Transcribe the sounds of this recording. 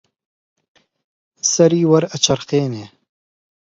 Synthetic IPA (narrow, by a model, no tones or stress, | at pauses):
sɐɾiːwɐɾɐt͡ʃɐɾqeːneː